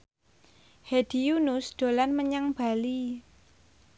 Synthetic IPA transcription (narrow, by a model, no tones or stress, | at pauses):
hed̪̥i̤junʊsɖ̪̥o̤lanməɲaŋb̥a̤li